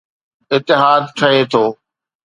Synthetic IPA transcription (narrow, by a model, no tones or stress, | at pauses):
ɪt̪ːɪɦaːd̪kʰɐet̪ʰoː